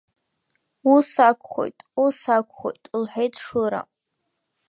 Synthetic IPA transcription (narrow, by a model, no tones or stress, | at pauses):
usakʷʰʼχo̰jtʼusakʷʰχojtʼlħejtʼʰʂuɾa̰